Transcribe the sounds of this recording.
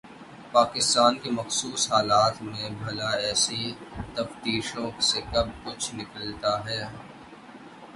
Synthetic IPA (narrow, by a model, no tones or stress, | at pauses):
paːkɪst̪aːnkemɐxsuːsɦaːlaːt̪mẽbʱɐlaɛːsit̪ɐft̪iːʃõsekɐb̚kʊt͡ʃʰnɪkəlt̪aɦɛː